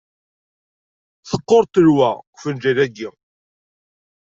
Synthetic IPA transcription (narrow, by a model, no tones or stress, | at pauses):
θə̥qːoɾˤt̪əɾwækʷfənd͡ʒæðæɡi